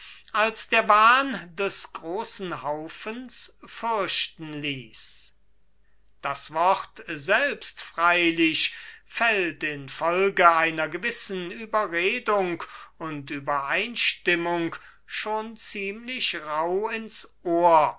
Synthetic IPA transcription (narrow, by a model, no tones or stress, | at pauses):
ʔalsd̥eːɐvaːndɛsɡ̥ʁoːsn̩ɦaʊfənsfʏɐʃtn̩liːs | d̥asv̥ɔχtzɛlpstfʁ̥aɪlɪɕfɛltɪnfɔlɡəaɪnɐɡəvɪsn̩yːbɐʁeːdʊŋkʊntyːbɐʔaɪnʃtɪmʊŋk | ʃoːnt͡siːmlɪɕʁaʊɪnsʔoːɐ